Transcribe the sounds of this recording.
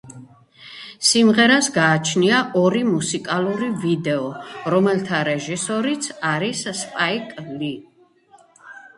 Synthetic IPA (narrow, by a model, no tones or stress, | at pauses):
simʁɛɾasɡaːt͡ʃʰniaʔɔɾimusikʼalˠuɾivid̪ɛɔɾɔmɛlt̪ʰaɾɛʒisɔɾit̪sʰaɾisspʼaikʼli